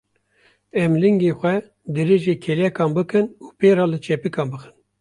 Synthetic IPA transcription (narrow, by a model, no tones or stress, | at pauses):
ɛmlɨŋɡexʷɛ | d̪ɨɾeːʒeːkʰelɛkɑːnbɨkɨnuːpeːɾɑːlɨt͡ʃʰɛpikʰɑːnbɨxɨ̥n